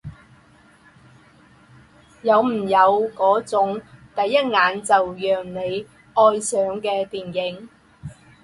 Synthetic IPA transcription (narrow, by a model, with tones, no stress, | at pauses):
jɐ˨˧wm̩˨˩jɐ˨˧wkɔː˨˥t͡sʊ˨˥ŋt̪ɐ˨jːɐ˥t̚ŋaː˨˧nt͡sɐ˨wjœː˨ŋne˨˧j | ʔɔː˧jsœː˨˥ŋkɛː˧t̪iː˨njɪ˨˥ŋ